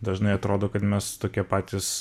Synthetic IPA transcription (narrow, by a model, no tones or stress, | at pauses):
d̪ɐʒnɐɪɐt̪ɾoːd̪oːkɐt̪mʲɛst̪oːkʲiɛpɑːt̪ʲiːs